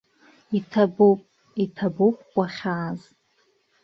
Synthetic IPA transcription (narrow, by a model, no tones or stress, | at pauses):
itʰabopʼ | itʰabopʼkʷʼaχʲaːz